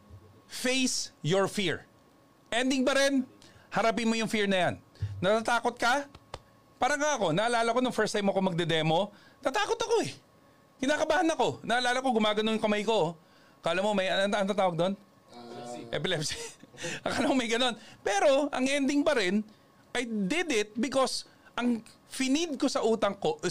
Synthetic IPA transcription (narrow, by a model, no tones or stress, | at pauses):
fejsjoɹfiɹ | ʔɛnd̪ɪŋbɐɾɛnhɐɾɐp̬ɪnmojʊŋfiɹnɐjanːɐt̪at̪aːkot̪̚kɐ | paːɾɐŋkaʔɐko̞nɐʔɐlaːlɐko̞noŋfɛɹst̪ajmokoŋmɐɡ̚d̪ɛd̪ɛːmo̞ | t̪ɐt̪aːko̞t̪ɐko̞ɛ | kɪnaːkɐbaːhɐnɐko̞nɐʔɐlaːlɐkoɡʊmaːɡɐnoŋjʊŋkɐmajko̞ | kɐʔɐlamːomɐjɐnɐɐt̪aːt̪aːwɐɡ̚d̪o̞n | ʔɛpɪlɛpsiɐɐlamoŋmɐjɡɐno̞npɛːɾo̞ʔɐŋʔɛnd̪ɪŋbɐɾɪn | ʔɐjd̪ɪd̪ɪt̪̚bɪkos | ʔɐŋ | fɪnɪd̪̚ko̞sɐʔuːt̪ɐŋko̞ʔ